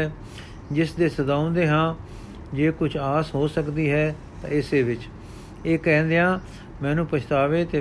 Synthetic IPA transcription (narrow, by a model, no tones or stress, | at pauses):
ɛ | d͡ʒɪsd̪eːsəd̪aːʊ̃nd̪eːɦãː | d͡ʒeːkʊt͡ʃʰaːsɦoːsəkd̪iːɦɛː | t̪ã̰ːɪseːʋɪt͡ʃ | eːkɛ̃ːnd̪eːãː | mɛ̃ːnũːpəʃʰt̪aːʋeːt̪eː